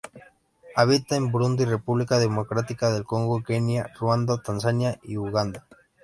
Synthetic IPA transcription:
aβ̞it̪aembɾund̪ire̞puβlikaðemo̞kɾat̪ikaðe̞lkoŋɡokenjarwand̪ot̪ansanjaiuɣand̪a

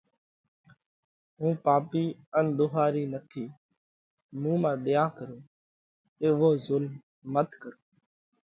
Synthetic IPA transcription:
ɦũːpaːpiːənd̪ʊɦaːɾiːnət̪ʰiː | mũːmãːɗ̪ɪjaːkəɾoː | eːʋoːzʊlmː | ət̪kəɾoː

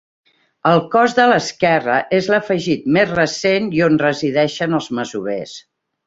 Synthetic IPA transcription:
əlˠkɔzðələskɛrəʔezləfəʒit̪̚mezrəsenionrəziðɛʃənəlˠzməzuβes

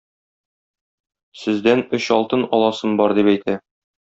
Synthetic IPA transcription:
sɘ̆zd̪ænɵɕɒlˠt̪ɤnɒlˠɑsɤmbɒɾd̪ipæjt̪æ

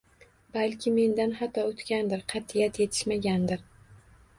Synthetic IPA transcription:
balkʲʰɪme̞nd̪anhat̪ʰːɒot̪kʲand̪ɪɾqʰɑt̪ʰɪjat̪je̞t̪ʰɪ̥ʃmaɡʲand̪ɪɾ

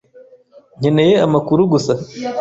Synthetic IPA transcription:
ɲinejeamakuɾuɡusa

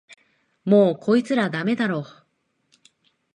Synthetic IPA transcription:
moːkʰo̞it͡sɨɾad̪ame̞d̪aɾo̞ː

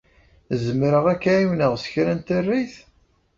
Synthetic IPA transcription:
zəmɾəʁækːæiwnəʁsə̥çɾænt̪ərːiθ

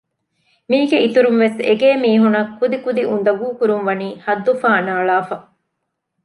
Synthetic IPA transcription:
miːɡeʔit̪uɾumʋesḛɡeːmiːɦunɐkːud̪ikud̪iʔund̪ɐɡuːkuɾumʋɐniːhɐd̪ːufaːnaːɭaːfɐ

